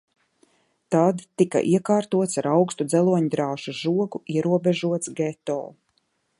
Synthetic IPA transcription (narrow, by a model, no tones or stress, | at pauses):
t̪ad̪ːika̰ʔiɛkaːɾt̪uɔt̪saɾawkst̪ud̪zɛlˠuɔɲd̪ɾaːʃuʒuɔɡuiɛɾuɔbɛʒuɔt̪sɡɛt̪ɔ̰ː